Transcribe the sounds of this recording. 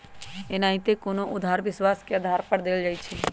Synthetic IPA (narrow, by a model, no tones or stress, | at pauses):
enãĩt̪ekoːnoʔʊd̪ʱaːɾʋɪswaːskeəd̪ʱaːɾpəɾd̪eːld͡ʒaːit͡ʃʰe